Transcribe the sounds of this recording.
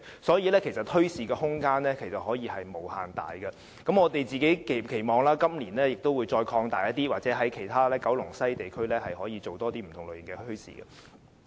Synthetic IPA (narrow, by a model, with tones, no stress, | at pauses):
sɔː˨˥jiː˧lɛː˥kʰe˨˩jsɐ˨t̚t̪ʰhʰɵ˥ɥsiː˨ɡɛː˧hʊ˥ŋkaː˥nlɛː˥kʰe˨˩jsɐ˨t̚hɔː˨˥jiː˧hɐ˨jmo˨wha̰ː˨˩nt̪a̰ː˨jɡɐ˧ | kɐ˨˥mɔː˨˧t̪e˨jt͡siː˨ke˨˥jkkʰe˨˩jmɔː˨˧ŋlaː˥kɐ˥mli˨˩nlɛː˥jɪ˨k̚t̪o˥wːu˨˧jt͡ʃɔː˧jkʰɔː˧ŋt̪aː˨jɐ˥t̪iː˥waː˨t̚t͡sɛː˨˥ɦɐ˨˥jkʰe˨˩jt̪ʰaː˥lɛː˥kɐ˨˥wlʊ˨˩ŋsɐ˥jt̪e˨jkʰɵ˥ɥlɛː˥hɐ˨jɦɔː˨˥jiː˨˧t͡so˨wt̪ɔː˥t̪iː˥m̩˨˩t̪ʰʊ˨˩ŋlɵ˨ɥjŋɡɛː˧ɵ˥ɥsḭː˨ɡɐ̰˧